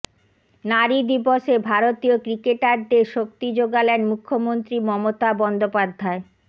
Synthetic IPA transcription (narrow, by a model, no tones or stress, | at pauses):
naɾid̪iboʃebʱaɾot̪iokɾikeʈaɾd̪eʃok̚t̪id͡ʑoɡalenmukʰːomont̪ɾimɔmot̪abɔnd̪opad̪ʱːae